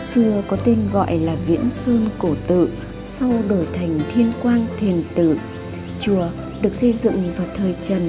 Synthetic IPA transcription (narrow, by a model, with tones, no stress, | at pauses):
sɨ˧əkɔ˨˦t̪e˧nɣɔ̰˧˨jlaː˨˩ɣḭ˧˥ənsɨ˧ŋko˧˩t̪ɨ̰˧˨ | sa˧wɗo˧˩jt̪ʰa˨˩jŋ̟t̪ʰi˧ənkwaː˧nt̪ʰi˨˩ənt̪ɨ̰˧˨ | t͡ɕu˨˩ə | ɗɨ˨˩ək̚sə˧jzɨ̰˧˨ŋvaː˨˩wt̪ʰəː˨˩jt͡ɕə˧˩n